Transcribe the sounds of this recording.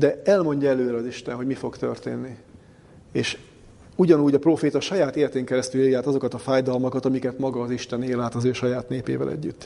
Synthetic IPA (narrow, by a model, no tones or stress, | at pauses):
d̪ɛɛlmo̞ɲɟɒɛløːɾɛɒziʃt̪ɛnɦo̞ɟmifo̞ɡt̪ø̞̰rt̪ḛːnːi | eːʃ | uɟɒnuːɟɒproːfeːt̪ɒʃɒjaːt̪eːlɛt̪eːŋkɛɾɛst̪yleːjaːt̪ɒzo̞kɒt̪ɒfaːjd̪ɒlmɒkɒt̪ɒmikɛt̪mɒɡɒːziʃt̪ɛneːlaːt̪ɒzøːʃɒjaːt̪neːpḛːvɛ̰lʔɛ̰ɟːyt̪ː